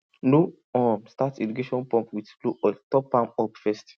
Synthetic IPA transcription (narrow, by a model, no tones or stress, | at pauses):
nu | ɔmstatɛdukeʃɔ̃npɔ̃mpwitbloʔɔtɔpãmɔpfɛst